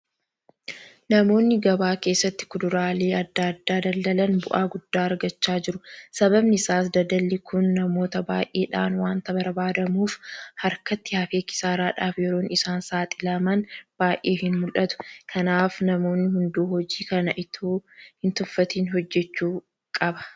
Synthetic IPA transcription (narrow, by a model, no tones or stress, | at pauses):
nɐmo̞ːnːɪɡɐbaːke̞ːsːɐt̪ːɪ̥kʊd̪ʊɾaːle̞ːʔɐd̪ːɐd̪ːaːd̪ɐld̪ɐlɐnbʊʔaːɡʊd̪ːaːɐɾɡɐt͡ʃːaːd͡ʒɪɾʊsɐbɐbnɪɪsaːsd̪ɐd̪ɐlːɪkʰʊnːɐmo̞ːt̪ɐbaːʔeːᶑaːnwaːnt̪ɐbɐɾbaːd̪ɐmuːfhɐɾkɐt̪ːɪhaːfeːkɪ̥saːɾaːᶑaːfjɛɾo̞ːnɪsaːnsaːt̪ʼɪlɐmɐnb̥aːjʔeːhɪnmʊlʔɐt̪ʊ̥kʰɐnaːfnɐmo̞ːnːɪhʊnd̪uːhɔd͡ʒiːkɐnɐʔɪt̪ʰoːhɪnt̪ʊfːɐt̪iːnɦɔd͡ʒːɛt͡ʃːuː | kʼɐbɐ̥